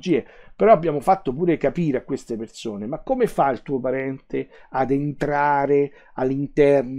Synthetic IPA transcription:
d͡ʒiːepeɾɔabːjaːmofat̪ːopuːɾekapiːɾeakːwest̪epersoːnemakːomefailt̪uːopaɾɛnt̪ʰead̪ent̪ɾaːɾe | alːint̪ɛrn

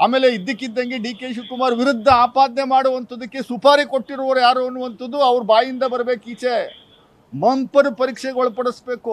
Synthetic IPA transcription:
aːmeːle̞id̪ːikːid̪ːɐŋɡeɖiːkeːʃukumaːɾʋiɾud̪ʱːɐaːpaːd̪ɐnemaːɽuʋɐnt̪ʰɐd̪ɐkːesupʰaːɾiko̞ʈːiɾɔʋɐɾujaːɾuɐnːuʋɐnt̪ɐd̪ːuɐʋɐɾubaːjind̪ɐbɐɾɐbe̞ːkiːt͡ʃe | mɐmpɐɾupɐɾiːkʂeɡɔɭɐpɐɽɐsbe̞ːku

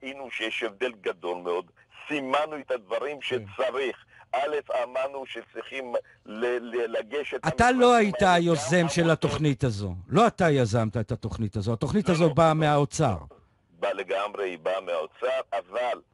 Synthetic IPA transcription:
aʔinuʃejeʃevd̪e̞lɡad̪o̞lmeo̞d̪ | simanuet̪ad̪vaʁimʃet͡saʁiχ | ʔale̞famanuʃet͡sʁiχim | lelelaɡeʃet̪atalo̞aitajo̞ze̞mʃe̞lato̞χnitazo̞̰lo̞atajazamt̪aet̪at̪o̞χnitazo̞at̪o̞χnit̪azo̞bameaot͡sa̰ʁ | baleɡamʁeibameaot͡saʁaval

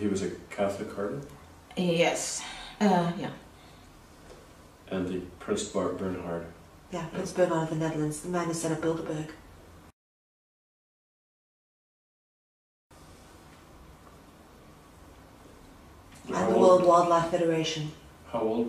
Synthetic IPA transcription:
hiwʌzɨkʰæθlɨkʰːɑɹʔn | jɛs | jæ | ʔɨ̃nðɨpʰɹ̥ɪ̃nsb̥ɑɹɡ̚b̥ɜ̃˞nɦɑɹdjæpʰɹ̥ɪ̃nsb̥ɜ˞ɡɑ̃nʌvðɨnɛðəlˠə̃nz̥ðəmæ̃nɨz̥sɛ̃ɾ̃ʌb̥ɪlˠdəbɜ˞ɡ̥ | ãɪ̃ðəwɜ˞lˠd̚wɔlˠdˡlaɪfɛɾə˞eɪʃɨ̃n | haʊoʊlˠ

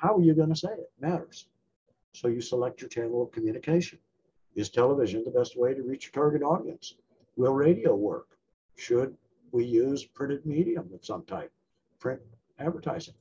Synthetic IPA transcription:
haʊə˞jɨɡʌ̃ñɨseɪɪt̚mæɾə̰˞z̥ | soʊjɨsəlɛk̚t͡ʃə˞t͡ʃʰæ̃nl̩ˠʌv̥kʰmjʉñɨkʰeɪʃɨ̃n | ɨz̥tʰɛlˠəvɪʒɨ̃nðəbɛst̚weɪɾɨɹit͡ʃə˞tʰɑɹɡɨɾɔɾiɨ̰̃ns | wɪlˠɹeɪɾioʊwɜ̰˞k | ʃɨd̚ | wijʉz̥pʰɹ̥ɪ̃ɾ̃ɨd̚miɾiə̃mətsʌ̰̃mtʰã̰ɪp̚ | pʰɹ̥ɪ̃n̚ | ædvə˞tʰa̰ɪzɪ̃ŋ

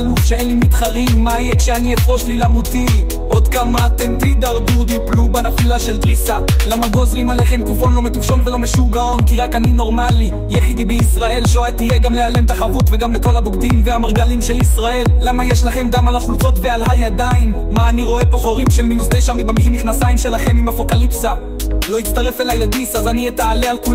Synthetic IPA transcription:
luʃeenlimit̪χaʁimːaijekʃeanietʁo̞ʃlilamuti | ʔo̞d̪kamat̪ent̪id̪aʁbud̪iplubanafilaʃelt̪ʁisalamaɡo̞zʁimaleχe̞mkufo̞nlo̞me̞t̪ufʃo̞nvelo̞meʃuɡao̞nkiʁakanino̞ʁmali | jaħid̪ibeisʁae̞lʃoat̪ijeɡamlealemt̪aχavut̪veɡamleko̞lhabuɡd̪imveamaʁɡalimʃe̞lisʁae̞lːamajeʃlaχe̞mɡamalaχult͡so̞tve̞alhajad̪aimːaːniʁo̞e̞poχo̞ʁimʃelmiuzt̪eʃamibamihimiχnasaimʃe̞laχe̞mimafo̞kalipsa | lo̞it̪t͡st̪aʁe̞felajad̪isazaniet̪aalealku

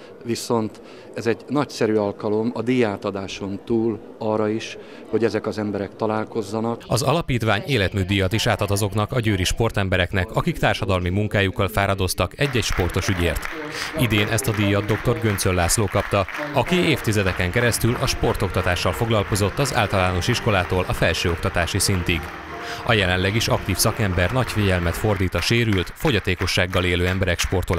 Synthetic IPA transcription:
viso̞nt̪ | ɛzɛɟnɒcsɛɾyːɒlkɒlo̞mɒd̪ijaːt̪ɒd̪aːʃo̞nt̪uːl | ɒrɒiʃ | ho̞ɟɛzɛkɒzɛmbɛɾɛk̚t̪ɒlaːlko̞zːɒnɒkɒzɒlɒpiːt̪ʋaːɲeːlɛt̪myːd̪ijɒt̪iʃaːt̪ɒt̪ɒzo̞knɒkɒɟøːɾiʃpo̞rt̪ɛmbɛɾɛknɛkɒkikt̪aːrʃɒd̪ɒlmimuŋkaːjukːɒlfaːɾɒd̪o̞st̪ɒkɛɟːɛcʃpo̞rt̪o̞ʃyɟḛːrt̪id̪eːnʔɛst̪ɒd̪ijːɒd̪o̞kt̪o̞rɡønt̪sølːaːsloːkɒpt̪ɒɒkieːft̪izɛd̪ɛkɛŋkɛɾɛst̪ylʔɒʃpo̞rt̪o̞kt̪ɒt̪aːʃːɒlfo̞ɡlɒlko̞zo̞t̪ːɒza̰ːlt̪ɒlaːno̞ʃiʃko̞laːt̪oːlʔɒfɛlʃøːo̞kt̪ɒt̪aːʃisint̪iɡ | ɒ̰jɛlɛnlɛɡiʃɒkt̪iːfsɒkɛmbɛrnɒcfiɟɛlmɛt̪fo̞rd̪iːt̪ɒʃeːɾylt̪fo̞ɟɒt̪eːko̞ʃːaːɡːɒleːløːɛmbɛɾɛkʃpo̞rt̪ol

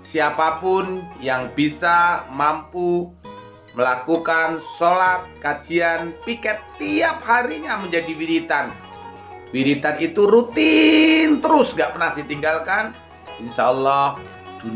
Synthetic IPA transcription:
siapapʊnjaŋbisamampu | məlakukansolat̪̚kad͡ʒianpikɛt̪ːiap̚haɾiɲaməɲd͡ʒadiwiɾit̪an | wilit̪anit̪uɾut̪ɪnt̪əɾʊsɡaʔpərnahdit̪iŋɡalkan | inʃaɔlːɔh | d̥un

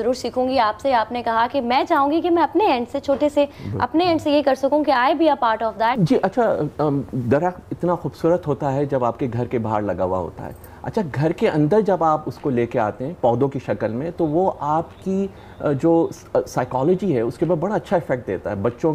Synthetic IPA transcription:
zɐɾuːɾʃiːkʰũːŋɡiaːpseaːpnekɐɦakimɛ̃ːt͡ʃaːɦũːŋɡikimɛ̃ɐpneɛ̃ːɳɖset͡ʃʰoːʈeseɐ̰pneɛ̃ːɳɖsejekɐɾsɐkũkiaːɪbiɐpaːɾʈɔːfd̪ɛːʈd͡ʒiːʔɐtːʃʰa | d̪ɐɾəɪt̪naxuːbsuːɾət̪ɦoːt̪aɦɛd͡ʒɐbaːpkeɡʱɐɾkebaɦaɾlɐɡa̰ːʋa̰ɦo̰ːt̪a̰ɦɛ̰ː | ɐ̰tːʃʰaɡʱɐɾkeʔɐ̃nd̪əɾd͡ʒɐbaːpʊskoleːkea̰ːt̪eɦɛ̃ːpɔːd̪õkiʃɐkəlmẽt̪oʋoʔaːpki | d͡ʒoː | saːɪkɔːlɔd͡ʒiɦɛʊskebaːd̪bɐɽaɐtːʃʰaɪfɛk̚ʈ̚d̪ḛːt̪a̰ɦɛbɐtːʃõ

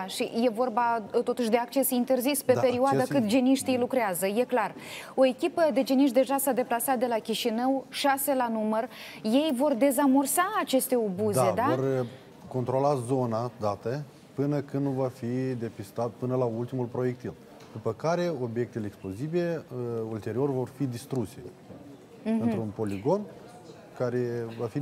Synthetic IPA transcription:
ʃḭje̞vo̞rbat̪o̞t̪uʃʲd̪e̞ak̚t͡ʃe̞sint̪e̞rzispeape̞ɾioad̪akɨt̪d͡ʒeniʃt̪ijlukɾeazəje̞klar | o̞e̞kʲipəd̪e̞d͡ʒeniʃt̪d̪eʒasad̪e̞plasat̪̚d̪e̞lakʲiʃinəwʃase̞lanumərje̞jvo̞rd̪e̞zamo̞rsaːt͡ʃe̞st̪e̞o̞buzae̞d̪aor | ko̞nt̪ɾo̞lazo̞nad̪at̪ə | pɨnəkɨnnuvafid̪e̞pist̪at̪̚pɨnəlault̪imulpɾo̞je̞k̚t̪il | d̪upəkaɾe̞o̞bje̞k̚t̪eleeksplo̞zibileult̪e̞ɾio̞rvo̞rfid̪ist̪ɾuse̞ | ɨnt̪ɾunpo̞liɡo̞n | kaɾe̞vafi

